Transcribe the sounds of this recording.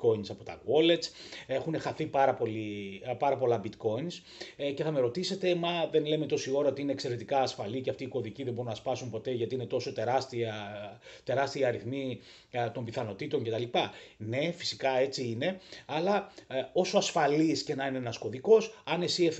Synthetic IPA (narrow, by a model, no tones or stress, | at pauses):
ko̞insɐpo̞t̪ɐ̰ɣo̞le̞t͡se̞xune̞xɐθipɐɾɐpo̞lipɐɾɐpo̞lɐbit̪ko̞ins | ce̞θɐme̞ɾo̞t̪ise̞t̪e̞mɐðe̞nle̞me̞t̪o̞sio̞ɾɐot̪iinekseɾe̞t̪ikɐːsfɐlice̞ɐft̪iːko̞ðiciðembo̞unɐspɐsumpo̞t̪e̞ʝɐt̪iine̞t̪o̞so̞t̪e̞ɾɐst̪iɐt̪e̞ɾɐst̪iiɐɾiθmi | t̪o̞mbiθɐno̞t̪it̪o̞ɲcet̪ɐlipɐne̞fi̥sikɐe̞t͡siine̞ɐlɐo̞so̞ɐsfɐlisce̞nɐinenɐsko̞ðiko̞sɐne̞sie